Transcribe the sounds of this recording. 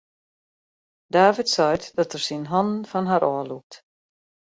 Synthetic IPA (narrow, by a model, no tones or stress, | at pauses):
daːvitsɔjtd̥ɔtərsinɦɔndn̩fɔnɦaɾʔɔːluk̚t